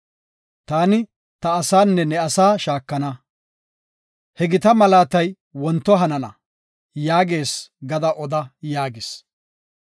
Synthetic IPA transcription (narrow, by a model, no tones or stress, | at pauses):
t̪aːnɪ | t̪ɐːsaːnːɛnɛɐsaːʃaːkːɐnɐ | hɛɡɪt̪ɐmɐlaːt̪ɐj | wɔnt̪ːɔɦɐnɐnɐ̰ | jaːɡe̞ːsɡɐd̪ɐʔɔd̪ɐjaːɡɪs